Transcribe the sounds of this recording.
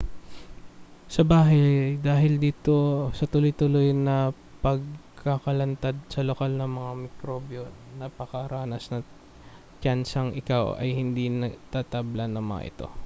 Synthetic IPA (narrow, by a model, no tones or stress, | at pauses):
sɐbaːɦɐjd̪aːɦɪld̪iːt̪o̞sɐt̪ʊlʊjt̪ʊlojnɐ | pɐɡ̚kɐkɐlɐnt̪ad̪̚sɐlokalnɐŋmɐŋamɪkɾoːbjo | nɐpɐkɐɾaːnɐsnɐ | t͡ʃansɐŋʔɪkawɐ̰jhɪnd̪inɐɡt̪aːt̪ablɐnɐŋmɐ̰ŋa̰ʔɪ̰t̪o̞̰